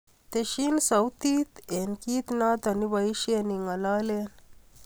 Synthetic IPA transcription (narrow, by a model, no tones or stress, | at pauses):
t̪eʃinsɐwt̪iːt̪enkiːt̪naːt̪ɐnibɐiʃeniŋɐlaːlen